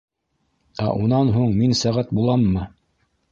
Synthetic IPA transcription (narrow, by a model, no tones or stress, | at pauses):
æ̰ʔunɑnɦuɴminsæʁæt̪̚bulˠɑmːɤ